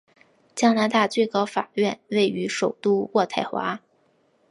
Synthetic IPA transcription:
t͡ɕjɑ˥ŋna˧˥t̪a˥˧t͡swe˥˩ɪkɑ˥ʊfa̰˨˩ɥɛ˥˧nwe˥˩ɪy˧˥ʂo˨˩ʊt̪u˥˧wɔ˥˧t̪ʰa˥˩ɪxwa̰˧˥

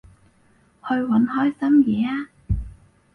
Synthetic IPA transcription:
ho˧jwa˨˩˦nhɔ˧˥jsa˧˥mjɛ˨˦

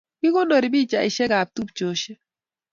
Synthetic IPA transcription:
kɪ˦ko˦ndo˨ɾi˨bi˦t͡ʃa˨ɪ˨ʃɛ˦ɡa˨p̚t̪u˦pt͡ʃo˨ʃe˦

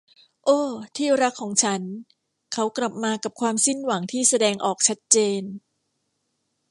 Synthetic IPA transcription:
ʔoː˧˩t̪ʰiː˥˩ɾa˦˥kʰːɔː˩˦ŋt͡ɕʰa˦˥n | kʰa˦˥wkla˨˩p̚maː˧ka˨˩p̚kʰwaː˧msi˥˩nwa˩˦ŋt̪ʰiː˥˩sa˧dɛː˧ŋʔɔː˨˩k̚t͡ɕʰa˦˥t̪̚t͡ɕeː˧n

